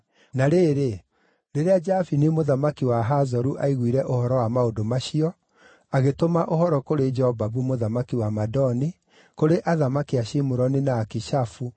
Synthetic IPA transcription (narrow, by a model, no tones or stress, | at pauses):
naɾeːɾe | ɾeɾead͡ʒafinemoðamakiwaɦazɔɾuʔaiɣwiɾɛʔohɔɾɔwamaodomaɕiɔ | aɣetomaʔohɔɾɔkoɾed͡ʒɛhɔvaβumoðamakiwamadɔni | koɾeʔaðamakiaɕimoɾɔnenaːkiʃafu